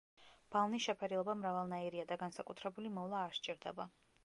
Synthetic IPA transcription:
b̥alˠnisʃɛpʰɛɾilˠɔbamɾavalˠnaiɾiad̪aɡansakʼut̪ʰɾɛbulimɔvlˠaːɾʃt͡ʃʼiɾd̪ɛba

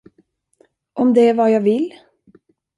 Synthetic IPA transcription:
ʔɔmd̪ɛævɑːjaʋɪl

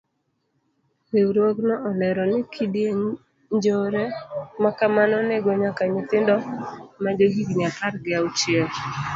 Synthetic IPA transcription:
wewɾwoɡnɔʔɔlɛɾɔnɪkʰidje | ɲd͡ʒoɾɛmakamanɔnɛɡɔɲakaɲɪt̪ɪndɔmaɡeɦiɡɲakaɾɡɪaʊt͡ʃɪɛl

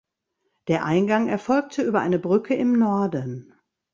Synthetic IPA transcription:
d̥eːɐʔaɪnɡaŋɛɐfɔlk̚tʰəʔyːbɐʔa̰ɪnəbʁʏkʰəɪmnɔɐdən̩

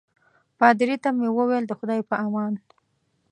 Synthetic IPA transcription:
pɑd̪ɪɾit̪amewəweld̪əxʊd̪ɑjpəʔamɑn

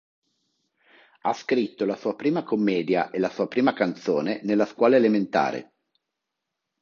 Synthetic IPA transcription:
a̰skɾit̪ːolasuːapɾiːmakomːɛːd̪jaʔelasuːapɾiːmakant̪soːnenelːaskwɔːlaelement̪a̰ːɾḛ

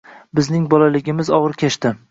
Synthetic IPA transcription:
bɪznɪŋbɒlalɪɡʲɪmɪzɒʁɨɾkʲʰeʃt̪ɪ

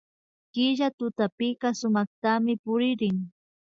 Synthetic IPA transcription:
kɪʒat̪ʊt̪apɪɢɑsʊmɑχt̪amɪpʊɾɪɾɪŋ

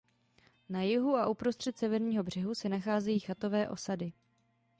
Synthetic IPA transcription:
najɪɦuaʔupɾost̪r̝̥ɛt̪sɛvɛɾɲiːɦo̞br̝̥ɛɦusɛnaxaːzɛjiːxat̪o̞vɛːʔo̞̰sadɪ

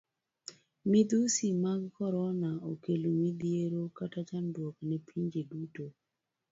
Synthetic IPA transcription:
mid̪usimaɡkɔɾɔnaokelomid̪ieɾokatat͡ʃandwɔknɛpʰiɲd͡ʒeduto

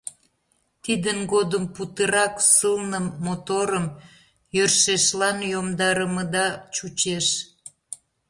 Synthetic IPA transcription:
t̪id̪ənɡod̪əmput̪əɾɑksəlnəmːot̪oɾəm | jørʃeʃlɑnjomd̪ɑɾəməd̪ɑt͡ɕut͡ɕeʃ

